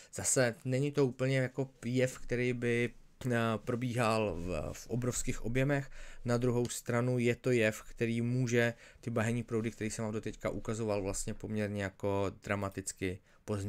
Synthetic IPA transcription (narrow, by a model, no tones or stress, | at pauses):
z̥asɛnɛɲɪt̪o̞uːpl̩ɲɛjako̞jɛfkt̪ɛɾiːbɪ | pɾo̞biːɦalfʔobɾofskiːxʔo̞bjɛmɛxnad̪ɾuɦo̞wst̪ɾanujɛt̪o̞jɛfkt̪ɛɾiːmuːʒɛt̪ɪbaɦɛɲiːpɾowdɪkt̪ɛɾiːsɛmaːmdot̪ɛckaʔukazo̞valvlast̪ɲɛpo̞mɲɛɾɲɛjako̞d̪ɾamat̪ɪt͡skɪ | pozɲɛ